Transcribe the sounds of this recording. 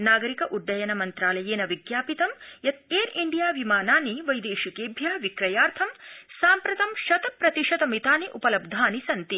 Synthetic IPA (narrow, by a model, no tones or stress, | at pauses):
naːɡɐɾikɐʔuɖːɐjɐnɐmɐnt̪ɾaːlɐjeːnɐʋiɡjaːpit̪ɐmjɐt̪̚eːɾiɳɖijaːʋimaːnaːniʋɐjd̪eːʃikeːbʱjɐʋikɾɐjaːɾt̪ʰɐmsaːmpɾɐt̪ɐmʃɐt̪ɐpɾɐt̪iʂɐt̪ɐmit̪aːniʔupɐlɐb̚d̪ʱaːnisɐnt̪i